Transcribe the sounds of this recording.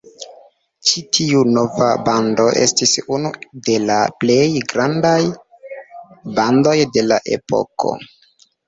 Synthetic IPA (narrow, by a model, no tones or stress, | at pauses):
t͡ʃitʰiuno̞vabando̞ʔe̞̰stisunude̞laple̞jɡɾandaj | bando̞jde̞laʔe̞̰po̞̰ko̞̰